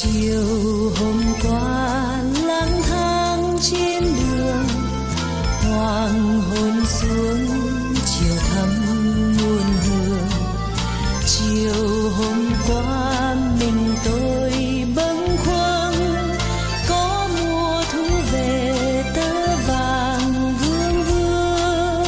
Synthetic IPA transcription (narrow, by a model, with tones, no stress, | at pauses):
t͡ɕi˨əwww | ɦo˧mkwaː˧˦ | laː˧˥nt̪ʰaː˧ | ŋ | t͡ɕe˧nɗɨ˨˩əŋ | hwaː˧˩ŋɦo˧nsu˨˦əŋ | t͡ɕi˨˩əwt̪ʰə˧˦mː | u˨˧˩ənhɨ˨˩əŋ | t͡ɕi˧˨əw | ɦo˧ŋ͡mkwaː˧˦ | mï˨˩ŋ̟t̪o˧ | j | ɓə˧˦ŋkʰwə˧ | ŋ | kɔ˨˦ | mu˨˧˩ə | t̪ʰu˨˦ve˨˩ | t̪əː˨˦ | vaː˨˩ | ŋ | vɨ˧əŋvɨ˧əəə | ŋ